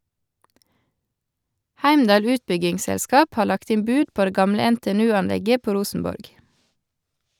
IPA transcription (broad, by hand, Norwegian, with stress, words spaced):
ˈhæɪmdɑːl ˈʉːtbʏɡɪŋˌsɛlˌskɑːp ˈhɑː ˈlɑkt ˈɪm ˈbʉːd ˈpoː ˈdeː ˈɡɑmlə ɛnteːɛˈnʉːɑnˌlɛɡə ˈpoː ˈɾuːsn̩ˌbɔɾɡ